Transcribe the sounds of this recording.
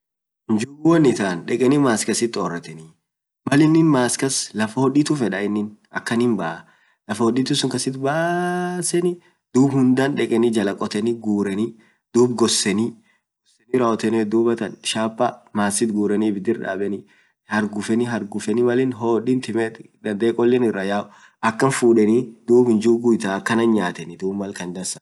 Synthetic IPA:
nd͡ʒuwɔnːɪt̪aːnᶑɛkʼɛnimaːskɐsɪt̪ːɔrːɐt̪ɛni | mɐlɪnːɪnmaːskɐslɐfɐhɔᶑiːt̪ʊfɛᶑɐɪnːɪnɐkːɐnɪmbɐʔɐ | lɐfɐhɔᶑiːt̪ʊsʊŋkɐsɪt̪baːsɛnɪ | d̪̥uːbhʊnd̪anᶑɛkʼɛnɪd͡ʒɐlɐkʼɔt̪ɛniɡuːɾɛni | d̪̥uːbɡɔsːɛnɪ | ɡ̥ɔsɛnɪɾɐɔt̪ɛnɛd̪uːbɐt̪ɐnʃaːpːɐmaːsɪt̪ɡuːɾɛnibɪd̪ɪɾᶑa̰ːbɛnɪ | hɐɾɡʊfɛnɪɦɐɾɡʊfɛnɪmɐlɪnɦoːᶑɪnt̪ɪmɛt̪ | d̪ɐnd̪ɛɛkʼɔlːɛnɪrːɐjaːʔ | ʔɐkːɐnfuːᶑɛnɪd̪̥uːbhɪnd͡ʒuɡʊjt̪aːkːɐnɐnɲaːt̪ɛnɪd̪uːbmɐlkɐnd̪ɐsɐ̥

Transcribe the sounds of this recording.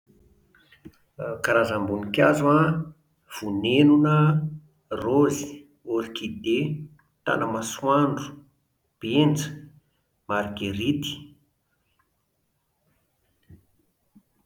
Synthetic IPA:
kaɾazambunikʲazua | v̥unenunə | rozi̥ | oɾikid̪e | t̪a̰nəmaswaɳɖ͡ʐu̥ | b̥ent͡sə̥ | maɾɡeɾit̪i̥

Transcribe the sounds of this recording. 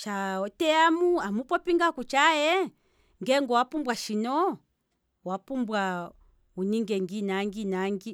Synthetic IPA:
t͡ʃaɔtɛamuamupɔpiŋɡakut͡ʃajɛ | ŋɡɛŋɡɔwapumbwaʃinɔ | wapumbwa | uniŋɡɛŋɡinaŋɡinaŋɡi

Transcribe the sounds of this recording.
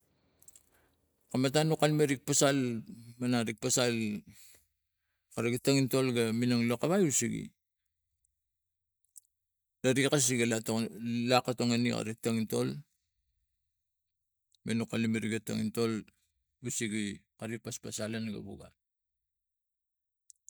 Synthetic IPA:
kamatanukalmeɾik̚pasalmanaɾik̚pasal | kaɾiɡataŋintolɡaminaŋlokaβajusiɡḭ | daɾikas̬iɡalalakatoŋanika̰ɾik̚taŋinto̞l | menukalimeɾiɡata̰ŋinto̞l | usiɡikaɾipaspasalanɡa̰βuɡa̰

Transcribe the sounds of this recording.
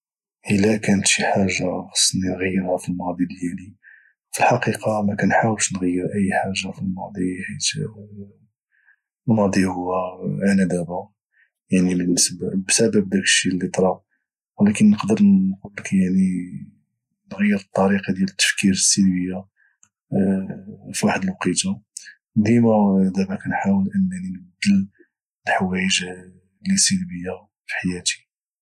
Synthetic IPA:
ʔəlækænət̪ʃiħaʒːaxɑ̥sˤːninɣəjːəɾhæfilmɑd̪ˤiəljæli | filħɑqiqɑmækænħawəlʃnɣəjːəɾʔəjːħaʒːafilmɑd̪ˤihit̪ | nɑd̪ˤihʊwːæʕnæd̪æba | jaʕnibənːəsbabsæbəb̚d̪ækə̥ʃːilːit̪ˤɾˤɑb̚ | wəlækənːəqd̪əɾnqulːəkjaʕni | nɣəjːəɾət̪ˤːɑɾiqɑd̪jælət̪ːə̥fkiɾəsːilbəjːa | fiwaħəd̪əlwqit̪a | d̪imæd̪æbækænħawəlʔənːæninbəd̪ːəl | lħwæjəʒ | lisilbəjːa | fi̥ħajæt̪i̥

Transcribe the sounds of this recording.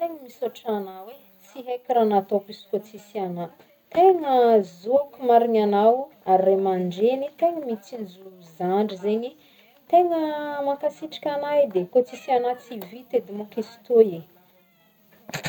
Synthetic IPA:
t̪eŋəmisoʈ͡ʂanawe | t͡siɦejkʲiɾanat̪opisi̥kot͡sisiana | t̪eŋəzuakʲumaɾiɲanaw | aɾremaɳɖ͡ʐenit̪eŋəmit͡sind͡zuluizaɳɖ͡ʐizeɲi | t̪eŋəmakasiʈ͡ʂḁkʲanajd̪ekot͡sisianat͡sivit̪ed̪imokisi̥t̪oe

